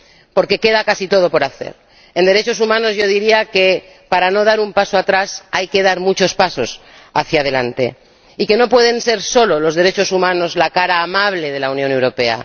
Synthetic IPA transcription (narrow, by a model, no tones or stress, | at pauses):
po̞ɾke̞ke̞ðakasit̪o̞ð̞o̞po̞ɾaθe̞̰ɾ | end̪e̞ɾe̞t͡ʃo̞sumãno̞zʝo̞ðiɾiake̞ | paɾano̞ð̞aɾumpaso̞at̪ɾasajke̞ð̞aɾmut͡ʃo̞spaso̞s | aθjað̞e̞lant̪e̞̰ | ike̞no̞pwe̞ðe̞nse̞ɾso̞lo̞lo̞zðeɾe̞t͡ʃo̞sumãno̞zlakaɾaːmaβ̞le̞ð̞e̞launjone̞wɾo̞pe̞a̰